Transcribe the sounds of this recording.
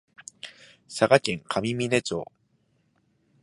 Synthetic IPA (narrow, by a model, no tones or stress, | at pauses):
saɡakeŋkʰamiminet͡so̰